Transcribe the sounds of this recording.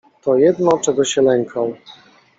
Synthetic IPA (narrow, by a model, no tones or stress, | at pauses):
t̪ɔjɛd̪nɔt͡ʂɛɡɔɕɛlɛŋkʰaw